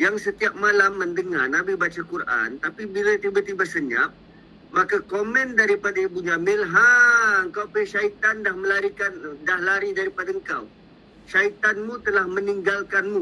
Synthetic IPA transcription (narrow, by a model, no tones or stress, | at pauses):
jaŋsət̪iap̚malamːəndəŋarnabibat͡ʃakurʔa̰nt̪apibilat̪ibat̪ibasəɲa̰p̚ | makakomɛ̃ndaɾipadaibuɲamɪlɦaəŋkawpəʃait̪andahməlaɾikandahlaɾidaɾipadaəŋkaw | ʃait̪anmũt̪əlahməniŋɡalkanmũ